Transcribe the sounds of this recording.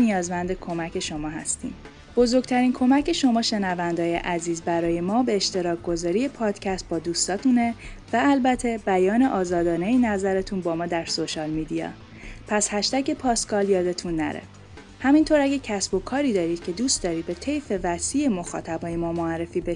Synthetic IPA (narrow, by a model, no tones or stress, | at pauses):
nijɒːzmænd̪e̞kʰo̞mæcʰe̞ʃo̞mɒːɦæ̰st̪ḭːm | b̥o̞zo̞ɾɡ̥̚t̪ʰæɾiːnkʰo̞mæcʰe̞ʃo̞mɒːʃe̞nævænd̪ɒːje̞̰ʔæziːzbæɾɒːje̞mɒːbe̞ːʃt̪e̞ɾɒːkɡo̞zɒːɾije̞pʰɒːd̪̥cʰæst̪̚bɒːd̪uːst̪ɒːt̪ʰune̞væælbæt̪ʰe̞bæjɒːne̞ʔɒːzɒːd̪ɒːnejinæzæɾet̪ʰunbɒːmɒːd̪æɾso̞ʃɒlmid̪ijɒ̰ | pʰæshæʃt̪æce̞pʰɒːskɒːljɒːd̪e̞t̪ʰunːæ̰ɾḛ | hæmint̪ʰoɾæɟæcʰæsb̥o̞kʰɒːɾiːd̪ɒːɾiːd̪̥̚cʰe̞d̪uːst̪d̪ɒːɾiːd̪̚be̞t̪ʰe̞jfe̞væsiːemo̞xɒ̰ːt̪ʰæbɒːjemɒːmoærːe̞fiːbeʃ